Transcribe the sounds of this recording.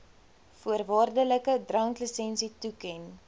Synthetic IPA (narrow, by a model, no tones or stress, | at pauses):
fuərvɑːrdələkədrɐŋkləsɛnsitukɛn